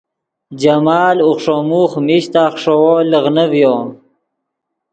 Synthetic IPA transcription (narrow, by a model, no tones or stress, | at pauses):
d͡ʒamaːluχʂomuχmiɕt̪aːχʂowoləʁnəvjoːn